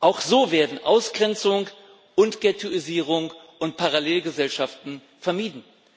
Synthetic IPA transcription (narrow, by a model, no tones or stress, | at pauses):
ʔaʊxz̥oːveːɐdn̩ʔaʊsɡ̥ʁɛnt͡sʊŋ | ʔʊntɡ̥ɛtʰuiziːʁ̞ʊŋ | ʔʊntpʰaʁaleːlɡəzɛlʃaftn̩ | fɛɐmiːdn̩